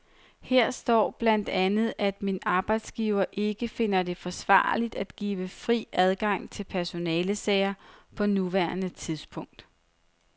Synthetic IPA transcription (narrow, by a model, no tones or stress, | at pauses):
heɐ̰sd̥ɒ̰ːb̥læn̰d̥ænð̞̩ˠæd̥minɑ̈ːb̥ɑ̈ɪd̥sɡ̥iːʊɐʔe̝ɡ̥əfe̝nɐd̥e̝fɒ̽sʋɑ̰̈ːlid̥æd̥ɡ̥ḭːʋəfʁḭːæð̞ˠɡ̥ɑ̈ŋ̰t͡sʰe̝lpʰæɐso̝nɛːləsɛ̰ɪɐpʰɒ̽nuʋæɐnət͡sʰiðˠsb̥ʰɔ̽ŋ̰d̥